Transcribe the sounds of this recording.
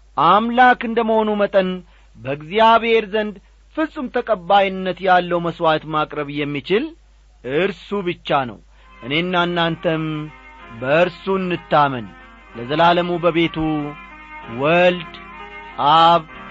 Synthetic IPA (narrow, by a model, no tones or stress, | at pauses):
ʔamlakɨnd̪əməho̞numət̪ʼən | bəɨɡzijaβhe̞ɾzənd̪ | fɨsʼːɨmt̪ʰəkʼəbːajɪnːət̪jalːəwməswat̪makʼɾəβjɛmːit͡ʃɪl | ʔɨɾsubɨt͡ʃːanə̰w | ʔɨne̞nːanːant̪ʰəm | bəɨɾsunːɨt̪ːamən | ləzəlaləmubəβe̞t̪ʰu | wəld̪ | aβ